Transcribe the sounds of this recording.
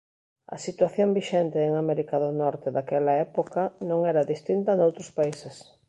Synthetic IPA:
ɐ̰sit̪waθjombiʃɛnt̪eːŋamɛɾikaðʊnɔɾt̪eðakɛlɐɛpokanõŋɛɾaðist̪int̪ɐnowt̪ɾʊspaises

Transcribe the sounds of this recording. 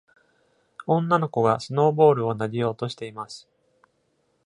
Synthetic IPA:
õ̞nːano̞ko̞ɡasɨno̞ːbo̞ːɾɯ̟o̞naɾʲijo̞ːt̪o̞ɕi̥t̪e̞imasɨ̥

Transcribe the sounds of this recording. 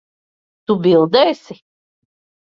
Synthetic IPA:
t̪ubʲilˠd̪ɛːsʲi

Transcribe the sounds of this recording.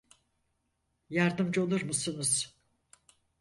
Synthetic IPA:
jaɾd̪ɯmd͡ʒolˠuɾmusɯnɯz̥

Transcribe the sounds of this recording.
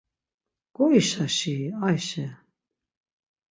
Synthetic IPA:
ɡ̥ɔiʃaʃiajʃɛ

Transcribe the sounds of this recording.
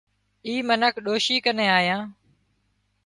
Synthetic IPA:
iːmənəkʰɗoːʃiːkənẽːaːɦijãː

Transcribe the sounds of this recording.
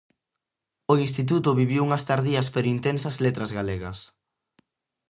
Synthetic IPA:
oinst̪it̪̬ut̪ʊβiβiwuŋɐst̪aɾðiɐspeɾʊint̪ensɐzlet̪ɾɐzɣaleɣɐs

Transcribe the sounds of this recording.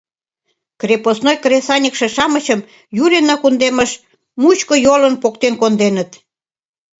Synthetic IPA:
krʲeposnojkresɑnʲəkʃĕʃɑməɕəm | juɾenɑkund̪eməʃ | mut͡ɕkojolənpokt̪enkond̪enət̪

